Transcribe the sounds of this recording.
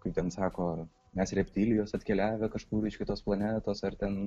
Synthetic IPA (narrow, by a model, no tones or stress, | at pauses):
kɐɪp̚t̪ʲɛnsɑːkoː | mʲɛsrʲɛpʲt̪ʲiːlʲɪjoːsɐt̪ʲkʲɛlʲæːʋʲɛkɐʃkuːɾɪʃʲkʲɪt̪oːsplˠɐnʲæːt̪oːsɐrt̪ʲɛn